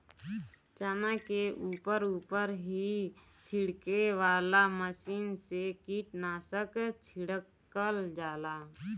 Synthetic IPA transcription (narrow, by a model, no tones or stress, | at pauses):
t͡ʃaːnãkeʔuːpəɾuːpəɾɦi | t͡ʃʰiɽkeʋaːlaməsiːnsekiːʈnaːsəkt͡ʃʰiɽəkːəld͡ʒaːlaː